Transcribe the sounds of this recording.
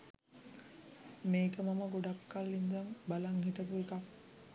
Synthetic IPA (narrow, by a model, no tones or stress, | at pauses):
meːkəmaməɡoɖakːalːind̪aŋbalaŋhiʈ̪əpuekak